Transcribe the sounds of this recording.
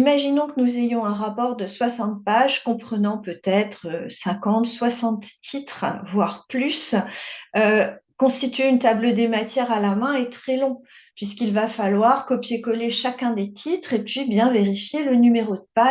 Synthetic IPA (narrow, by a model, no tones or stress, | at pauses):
imaʒinɔ̃kənuzejɔ̃ɛ̃ʁapɔʁd̪əswasɑ̃t̪̚paʒkɔ̃pχənɑ̃pøt̪ɛt̪χøsɛ̃kɑ̃t̪swasɑ̃t̪ːit̪χvwaʁplys | økɔ̃st̪it̪ɥeynt̪abləd̪emat̪jɛʁalamɛ̃et̪χɛlɔ̃ | pɥis̬kilvafalwaʁkɔpjekɔleʃakʲɛ̃d̪et̪ʰit̪χepɥibjɛ̃veʁifjelənymeʁod̪əpa